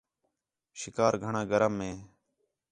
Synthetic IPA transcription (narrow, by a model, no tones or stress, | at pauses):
ʃɪkaːɾɡʱəɳãːɡəɾəmːẽː